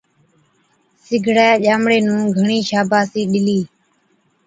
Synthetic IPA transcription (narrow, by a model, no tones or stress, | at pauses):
sɪɡʱɽɛːʄaːmɽeːnũːɡʱəɳiːʃaːbʱaːsiːɗɪliː